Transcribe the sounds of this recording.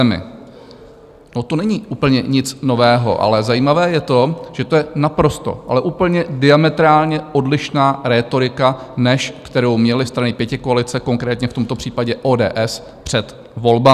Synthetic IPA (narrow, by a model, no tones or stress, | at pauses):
ɛmɪ̰ | not̪onɛɲiːʔuːpl̩ɲɛɲɪt͡sno̞vɛːɦo̞̰ʔa̰lɛzajiːmavɛːjɛt̪o̞ʒ̥ɛt̪ojɛnapɾo̞st̪o̞̰ʔalɛʔuːpl̩ɲɛdɪamɛt̪ɾaːlɲɛo̞dlɪʃnaːɾɛːt̪o̞ɾɪkanɛʃkt̪ɛɾo̞wmɲɛlɪst̪ɾanɪpjɛcɪko̞alɪt͡sɛko̞ŋkɾɛːt̪ɲɛft̪o̞mt̪o̞pr̥iːpaɟɛʔoːdɛ̰ːʔɛs | pr̝̥ɛt̪ | vo̞lba